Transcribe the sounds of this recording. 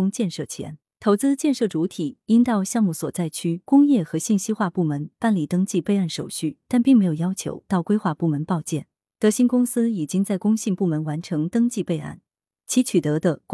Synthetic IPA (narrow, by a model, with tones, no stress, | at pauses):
ʊ˥ŋt͡ɕjɛ˥˧nʂɤ˥˩t͡ɕʰjɛ̰˧˥n | t̪ʰo˧˥ʊt͡sɹ̩˥t͡ɕjɛ˥˧nʂɤ˥˩ʈ͡ʂu˧˥t̪ʰi˨˩i˥nt̪ɑ˥˧ʊɕjɑ˥˧ŋmu˥˩swɔ˨˩t͡sa˥˩ɪt͡ɕʰy˥kʊ˥ŋjɛ˥˩xɤ˧˥ɕi˥˩nɕi˥xwa˥˧pu˥˩mə˧˥npa˥˩nli˨˩t̪ɤ˥ŋt͡ɕi˥˧pe˥˧ɪa˥˩nʂo˨˩ʊɕy˥˩t̪a˥˧npi˥˩ŋme˧˥ɪjo˨˩jɑ˥ʊt͡ɕʰjo̰˧˥ʊt̪ɑ˥˩ʊkwe˥ɪxwa˥˧pu˥˩mə˧˥˦npɑ˥˧ʊt͡ɕjɛ˥˩n | t̪ɤ˧˥ɕi˥nkʊ˥ŋsɹ̩˥i˨˩t͡ɕi˥ŋt͡sa˥˩ɪkʊ˥ŋɕi˥˧ŋpu˥˩mə˧˥nwa˧˥nʈ͡ʂʰɤ˧˥ŋt̪ɤ˥ŋt͡ɕi˥˧pe˥˧ɪa̰˥˩n | t͡ɕʰi˧˥t͡ɕʰy˨˩t̪ɤ˧˥d̪ə˧k